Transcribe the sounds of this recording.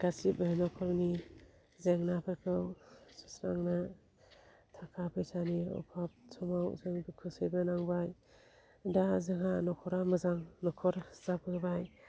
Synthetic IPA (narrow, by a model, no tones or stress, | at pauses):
ɡ̥asipɯnɔkʰɔɾni | zeŋnapʰakʰɯwsɯ̥sɾa̰ŋna | tʰakʰapʰɯjsaniɔ̰wpʰap̚sʰɔmawzɯŋbikʰusejbɯnaŋbaj | dazeŋanɔkʰɔɾamɯzaŋnɔkʰɔɾzapʰɯɡbaj